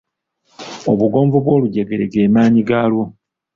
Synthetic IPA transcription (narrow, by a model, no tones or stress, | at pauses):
oβuɡo̞ːɱvoβwo̞ːluɟeɡe̞ɾeɡe̞ːmaːɲiɡaːlwo